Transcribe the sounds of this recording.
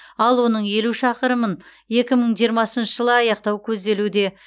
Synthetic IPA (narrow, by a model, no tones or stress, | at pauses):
ɑlˠwo̞nəɴje̞luʃɑqəɾəmən | je̞kʲɪməɴʒijəɾmɑsənʃəʒəlˠəɑjɑqt̪ɑwkʲʰɵzd̪e̞lud̪e̞